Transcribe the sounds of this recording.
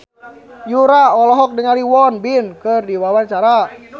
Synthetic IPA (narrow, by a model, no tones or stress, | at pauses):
juɾaɔlɔɦɔk̚dəŋaliwɔnbinkərdiwawaɲt͡ʃaɾa